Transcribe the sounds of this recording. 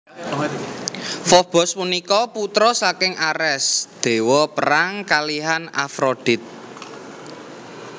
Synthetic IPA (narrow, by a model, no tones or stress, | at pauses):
fɔb̥ɔ̤spunikɔput̪ɾɔsakɪŋʔaɾɛsd̪̥e̤wɔpəɾaŋkaliɦana̰fɾod̪̥ɪ̤t̪̚